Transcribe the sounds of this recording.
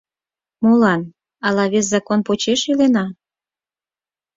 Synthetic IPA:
molɑn | ɑlɑβes̬zɑkonpot͡ɕeʃilenɑ

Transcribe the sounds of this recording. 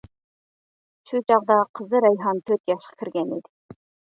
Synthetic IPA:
ʃut͡ɕɑqd̪ɑqɤ̆zɤɾɑjɦɑnt̪ɵɾt̪jɑʃqɑ̥kɘ̆ɾɡænḭd̪ɘ̥

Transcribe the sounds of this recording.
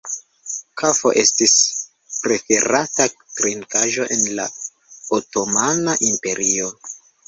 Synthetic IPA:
kafo̞̰ʔe̞stis | pɾe̞fe̞ɾatakɾinkaʒo̞ʔe̞nla̰ | oto̞manaʔimpe̞ɾʔio̞

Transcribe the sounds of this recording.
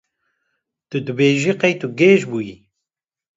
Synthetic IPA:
t̪ɨd̪ɨbeːʒiqejt̪uɡeːʒbuji

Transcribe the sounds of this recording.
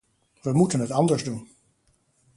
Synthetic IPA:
ʋəmutənɦətɑndəɹzdun

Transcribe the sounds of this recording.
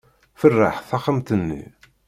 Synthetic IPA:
fərːa̰ħθaχəmt̪ənːḭ

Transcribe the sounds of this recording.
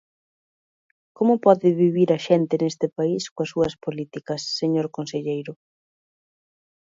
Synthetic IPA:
komʊpɔðɪβiβiɾɐʃent̪ɪnest̪ɪpaiskoɐsuɐspolit̪ikɐsːeɲoɾkonseʎejɾʊ

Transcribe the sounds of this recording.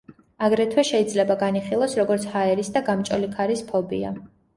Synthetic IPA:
aɡɾɛt̪ʰwɛʃɛid̪zlɛbaɡaniχilˠɔsɾɔɡɔɾt̪sʰhaɛɾisd̪aɡamt͡ʃʼɔlikʰaɾispʰɔbḭa̰

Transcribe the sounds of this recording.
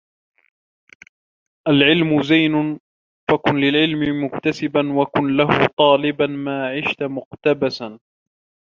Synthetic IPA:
ʔalʕɪlmʊzajnʊn | fakʊnlɪlʕɪlmɪmʊkt̪asɪbanwakʊnlahʊ̰t̪ˤɑːlɪbanmaːʕɪʃt̪amʊqt̪abasan

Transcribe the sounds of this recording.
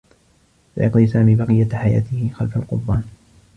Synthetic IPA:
sa̰jɑqd̪iːsaːmiːbɑqɨjːaħaja̰ːt̪ɪhɪxalfalqʊd̪ˤbaːn

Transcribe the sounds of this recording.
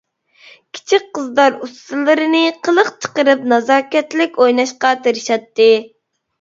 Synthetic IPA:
kʲʰi̥t͡ʃʰik̚ʲqəzd̪ɑɾust̪ɨlˠɨɾɨnɨqʰəlˠəqt͡ʃʰə̥qəɾɨp̚nɑzɑːkʲɛt̪lɪkʲojnɑʃqɑt̪eɾɨʃɑt̪ːɨ

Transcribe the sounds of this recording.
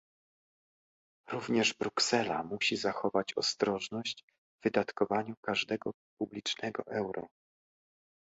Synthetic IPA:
ɾuvɲɛʐbɾuksɛla̰muɕizaxɔvat͡ɕɔ̰st̪ɾɔʐnɔɕd͡ʑ | vɘd̪at̪kɔvaɲukaʐd̪ɛɡɔ | publʲit͡ʂnɛɡɔ̰ʔɛwɾɔ̰

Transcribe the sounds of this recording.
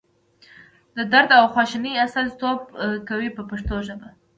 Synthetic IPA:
d̪əd̪aɾd̪awxwɑʃɪniasalt̪ob̚kawipəpaʂt̪oʒəba

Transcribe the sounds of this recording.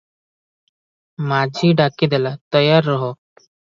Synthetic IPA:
mad͡ʑʱiːɖakid̪elat̪əjaɾːəɦo

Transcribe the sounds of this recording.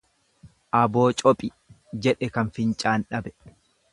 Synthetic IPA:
ʔɐbo̞ːt͡ʃʼɔpʼɪ | d͡ʒɛᶑɛkɐnfɪnt͡ʃʼaːnᶑɐbɛ

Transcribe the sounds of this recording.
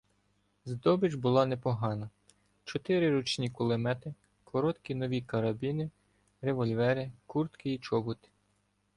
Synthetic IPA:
zd̪ɔbɪd͡ʒbʊlˠɑnɛpɔɦɑnɐ | t͡ʃɔt̪ɪɾɪɾɔt͡ʃnʲikʊlˠemɛt̪ɪ | kʰɔɾɔt̪kʲinɔʋʲikɐɾɐbʲinɪ | ɾeʋɔlʲʋɛɾɪkurt̪kɪit͡ʃɔbʊt̪ɪ̥

